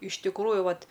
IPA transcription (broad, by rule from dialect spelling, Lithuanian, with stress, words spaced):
ɪʃ tʲɪkˈruːjʊ ˈʋɐt